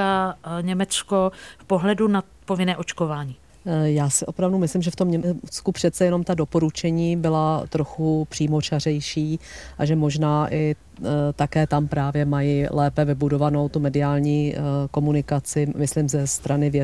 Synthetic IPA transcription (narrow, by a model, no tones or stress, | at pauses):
aɲɛmɛt͡skofpoɦlɛduna | povɪnɛːʔot͡ʃkovaːɲiː | jaːsɪʔo̞pɾavdumɪslɪmʒɛft̪o̞mɲɛt͡skupr̥ɛt̪t͡sɛjɛno̞mt̪ado̞po̞ɾut͡ʃɛɲiːbɪlat̪ɾo̞xupr̥iːmo̞t͡ʃar̝ɛjʃiːʔaʒɛmo̞ʒnaːʔɪ | t̪akɛːt̪ampɾaːvjɛmajilɛːpɛvɪbudo̞vano̞wt̪umɛdɪaːlɲiːko̞munɪkat͡sɪmɪslimzɛst̪ɾanɪvjɛ